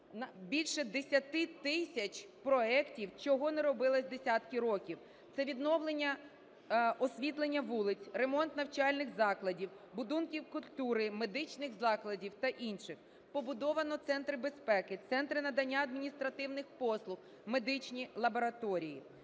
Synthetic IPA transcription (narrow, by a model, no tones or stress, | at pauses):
nɐbʲilʲʃɛd̪esʲɐt̪ɪt̪ɪsʲɐt͡ʃʲpɾɔɛktʲiwt͡ʃɔɦɔnɛɾɔbɪlˠɐsʲd̪esʲat̪kɪɾɔkʲiw | t̪sɛʋʲid̪nɔwlˠenʲːɐ | ɔsʲʋʲit̪lˠenʲːɐʋulˠɪt͡sʲremɔnt̪nɐwt͡ʃɑlʲnɪxzɑklˠɐdʲiw | bʊd̪unkʲiwkʊlʲt̪uɾɪme̞d̪ɪt͡ʃnɪxzɑklˠɐdʲiwt̪ɐʔinʃɪx | pɔbʊd̪ɔʋɐnɔt̪sɛnt̪ɾɪbe̞spɛkɪt̪sɛnt̪ɾɪnɐd̪ɐnʲːaɐd̪̚mʲinʲist̪ɾɐt̪ɪwnɪxpɔslˠʊx | me̞d̪ɪt͡ʃnʲilˠɐbɔɾɐt̪ɔɾʲijḭ